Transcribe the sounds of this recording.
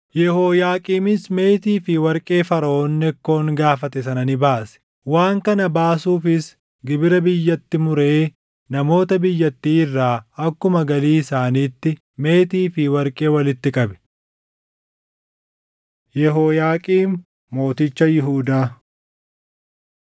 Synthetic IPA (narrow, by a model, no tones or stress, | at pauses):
jɛhoːjaːkʼiːmɪsme̞ːt̪iːfɪwɐɾkʼe̞ːfɐɾɐʔoːnːɛkːo̞ːŋɡaːfɐt̪ɛsɐnɐnɪbaːsɛ̥ | waːŋkɐnɐbaːsuːfɪs | ɡɪbɪɾɐbɪjːɐt̪ːɪmʊɾeː | nɐmo̞ːt̪ɐbɪjːɐt̪ːiːɪrːaːɐkːʊmɐɡɐliːɪsaːniːt̪ːɪ | me̞ːt̪iːfɪwɐɾkʼe̞ːwɐlɪt̪ːɪkʼɐbɛ̥ | jɛɦoːjaːkʼiːmː | o̞ːt̪ɪt͡ʃːɐjɪɦuːd̪aː